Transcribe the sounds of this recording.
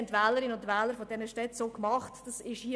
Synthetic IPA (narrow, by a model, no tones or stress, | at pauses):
ntʋɛːləɾɪnʊntʋɛːləɾfodɛnəʃtɛtsoːkmɑχtd̥ɑsɪʃhiːə